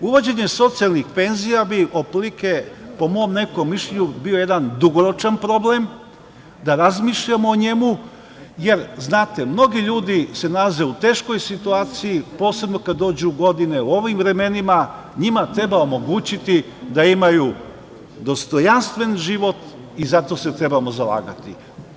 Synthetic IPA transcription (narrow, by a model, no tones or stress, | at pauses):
uʋo̞d͡ʑe̞ɲe̞so̞t̪sialnixpe̞nzijabiʔoplike̞po̞mo̞ːmne̞ko̞mːiʃʎe̞ɲubio̞je̞d̪and̪uɡo̞ɾo̞t͡ʃanpɾo̞ble̞m | d̪aɾazmiʃʎamoːɲe̞mu | je̞ɾznaːt̪e̞mno̞ɡiʎuːd̪ise̞nalaze̞ut̪e̞ːʃko̞jsit̪uaːt̪sijipo̞ːse̞bno̞kad̪ːo̞ːd͡ʑuɡo̞d̪ine̞uo̞ʋimvɾe̞me̞nima | ɲimat̪ɾe̞baomo̞ɡuːt͡ɕit̪i | d̪aimaju | d̪o̞st̪o̞janst̪ʋe̞nʒiʋo̞t̪ | izat̪o̞se̞t̪ɾe̞bamo̞zala̰ːɡat̪ḭ